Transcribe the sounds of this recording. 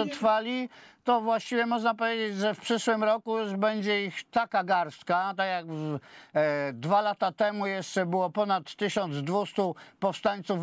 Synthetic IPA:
ɛt̪ɾfalʲit̪ɔvwaɕt͡ɕivʲjɛmɔʐnapɔvʲjed͡ʑed͡ʑʐɛfpʂɘʂwɘmɾɔkujuʐbɛɲd͡ʑɛixt̪akaɡaɾst̪kat̪akjaɡ | d̪valat̪at̪ɛmujɛʂt͡ʂɛbɘwɔpɔnat̪ːɘɕɔnd̪zd̪vust̪upɔfst̪aɲt̪suf

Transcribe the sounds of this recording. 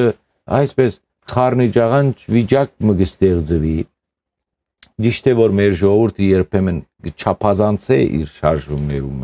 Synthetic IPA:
ə | ɑjspɛs | χɑɾnit͡ʃɑʁɑnt͡ʃʰvit͡ʃɑk̚məɡəst̪ɛʁd͡zəvi | d͡ʒiʃt̪ʰɛvɔɾmɛɾʒɔʁɔvuɾt̪ʰəjɛɾpʰɛmənɡət͡ʃʰɑpʰɑzɑnt͡sʰɛʔḭɾʃɑɾʒumnɛɾum

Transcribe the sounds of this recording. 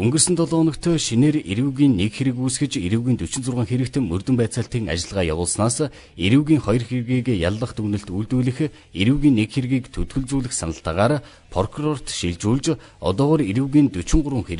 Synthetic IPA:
ɵŋɡɘ̆rsɘ̆nt̪ʰɔɮɔːnɞ̆kt̪ʰœːʃineːreɾuwɣiːnːekxeɾɘ̆kujsɡɘ̆t͡ɕeɾuwɣʲiːnt̪ɵt͡ɕɪ̆nt͡sʊrʁə̆ːŋxeɾɘ̆kt̪̆ʰmɵrt̪ɵ̆mpæːt͡săːɬt̪iːŋa̰t͡ɕɪ̆ɮʁaːja̰wʊːɮsnaːs | eɾuwɣʲiːŋχɔjɞ̆rxeɾɣiːkja̰ɮːə̆χt̪ʰɵɣnɵ̆ɬt̪ujɮt̪uːɮɘ̆x | eɾuwɣʲiːnːekxerɣiːkt̪ʰɵt̪ɡɵ̆ɮt͡suːɮɘ̆xsanə̆ɬt̪aʁaːɾ | pʰɔrkʰurɔr̥t̪ʃiɮt͡ɕuːɮt͡ɕ | ɔ̰t̪ɔːʁɔːɾeɾuwɣiːnt̪ɵt͡ɕɪ̆ɴɢʊɾwə̆ŋxeɾɘ

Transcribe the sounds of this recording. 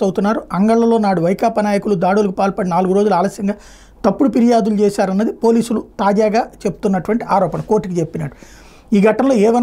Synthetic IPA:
ɐwt̪unːaːɾuɐŋɡɐɭːɐlo̞ːnaːɽuʋɐjkaːpɐnaːjɐkulud̪aːɽulɐkupaːlpɐɽinaːluɡuɾo̞ːd͡ʒuluaːlɐsjɐŋɡaː | t̪ɐpːuɽupiɾijaːd̪ulut͡ʃɛːsaːɾɐnːɐd̪ipo̞ːliːsulut̪aːd͡ʒaːɡaːt͡ʃe̞bu̥t̪unːɐʈuʋɐɳʈiaːɾɔːpɐnɐko̞ːɾʈːikit͡ʃepːinɐʈːu̥ | iːɡʱɐʈɐmlo̞ːɛːʋɐn

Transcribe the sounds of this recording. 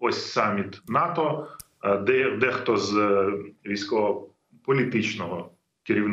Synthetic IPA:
ɔsʲsɑmʲit̪nɑt̪ɔ | d̪ɛd̪ɛxt̪ɔz | ʋʲijsʲkɔɔ | pɔlʲit̪ɪt͡ʃnɔɦɔ | kɪɾʲiwn

